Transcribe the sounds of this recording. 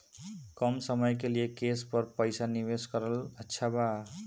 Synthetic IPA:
kʌmsəmʌjkelijekespʌɾpəjsanibeskʌɾələtːʃʰaba

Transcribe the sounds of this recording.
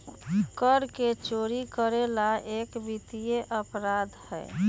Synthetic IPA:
kəɾket͡ʃoːɾikəɾelaekbit̪ijeʔəpɾad̪ʱhɛ̰ː

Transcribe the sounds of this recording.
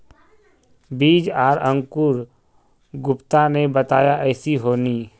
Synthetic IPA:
biːd͡ʒaːɾə̃ŋkʊɾ | ɡʊpt̪anebɐt̪aːjaʔɛːsiɦoːniː

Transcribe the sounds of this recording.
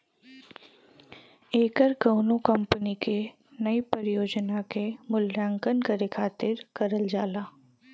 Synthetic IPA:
eːkəɾkɐʊnõkɐ̃mpənike | nɐipəɾɪjoːd͡ʒnakemʊlːãːŋkənkəɾekʰaːt̪ɪɾkɐɾəld͡ʒaːlaː

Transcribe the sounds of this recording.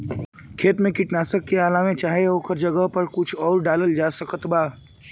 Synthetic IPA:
kʰeːt̪mẽkɪʈnaːsəkːeaːlaːmẽt͡ʃaːɦeɦoːkəɾd͡ʒəɡəɦpɐɾkʊt͡ʃʰɔːɾɖaːləld͡ʒaːsəkət̪baː

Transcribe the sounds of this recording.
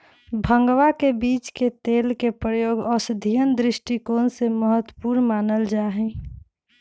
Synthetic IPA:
bʱə̃ŋɡwakebiːt͡ʃket̪eːlkepɾəjoːɡɔːsəd̪ʱijənd̪ɾɪʃʈikoːnseməɦət̪wəpuːɾnmaːnəld͡ʒaːɦɛ̃

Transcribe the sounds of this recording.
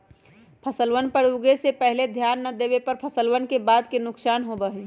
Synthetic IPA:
pʰəsəlʋənpəɾuɡesepəɦled̪ʱjaːnːəd̪ebepəɾpʰəsəlwənkebaːd̪kenʊksaːnɦobəɦe

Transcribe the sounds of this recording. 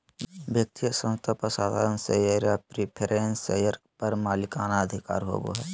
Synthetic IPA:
bjək̚t̪ijəsə̃mt̪ʰapəsaːd̪ʱaːɾənsejəɾjapɾipʰeɾenḛjəɾpɐɾmaːlɪkaːnaəd̪ʱɪka̰ːɾɦo̰ːbo̰ɦɛː

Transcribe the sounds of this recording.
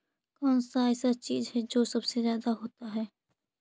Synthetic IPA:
kɔːnsaɛːsat͡ʃiːzɦɛd͡ʒoːsɐbsezjaːd̪aɦoːt̪aɦɛː

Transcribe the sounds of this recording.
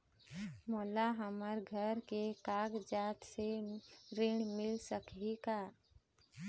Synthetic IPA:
moːlaɦəməɾɡʱəɾkekaːɡd͡ʒaːt̪seɾeɽ̃mɪlsəkɦika

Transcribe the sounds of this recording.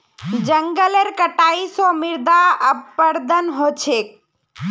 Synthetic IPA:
d͡ʒəŋɡəleɾkəʈaːisɔmɪɾd̪aəpəɾd̪ənɦoːt͡ʃʰeːk̚

